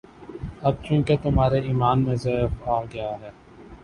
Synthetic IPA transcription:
ɐb̚t͡ʃũːket̪ʊmɦaːɾeiːmaːnmẽseaːlɡɐjaɦɛː

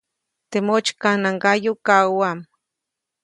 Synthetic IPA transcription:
t̪emot͡ʃkanaŋɡajokawam

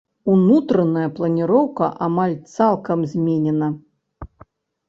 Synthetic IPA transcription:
unut̪ɾɐnɐjɐplˠɐnʲiɾɔwkɐʔamalʲt̪salˠkɐmzʲmʲenʲɛnɐ

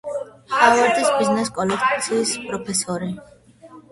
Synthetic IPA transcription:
χavɛɾd̪isbiznɛskʼɔlɛkʼt̪sʰiːspʼɾɔpʰɛsɔɾi

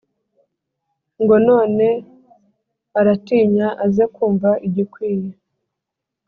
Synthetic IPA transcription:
ŋɡo̞no̞ːne̞ | aɾatiːɲaʔazekuːɱvaʔiɟikwiːje

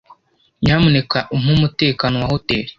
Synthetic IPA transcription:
ɲaːmunekaʔum̥humute̞ːkanowahoteːɾe̥

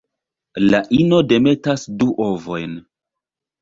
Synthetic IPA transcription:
laʔino̞de̞me̞tasduʔovo̞jn

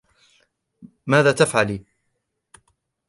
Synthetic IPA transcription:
maːðaːt̪afʕaliː

